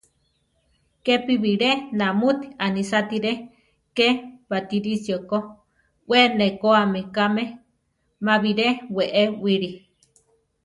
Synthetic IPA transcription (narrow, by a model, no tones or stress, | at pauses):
kepiβiɾenamut̪i̥anisat̪iɾe | keβat̪iɾisioko | ʔwenekoamekame | maβiɾeweʔewiɾi